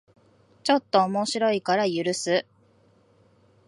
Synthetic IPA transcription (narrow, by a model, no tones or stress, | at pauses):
t͡ɕo̞t̪ːo̞ːmo̞ɕiɾo̞ikaɾajɯɾɯ̟sɨ